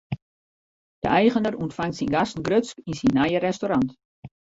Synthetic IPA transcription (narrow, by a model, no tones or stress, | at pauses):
d̥ə̰ʔɛjχənəruəntfaŋtsinɡastn̩ɡrøskinsinːajəɾɛstoɾant